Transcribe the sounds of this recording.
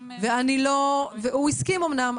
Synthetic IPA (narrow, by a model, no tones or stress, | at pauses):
veaniloveuiskimomnam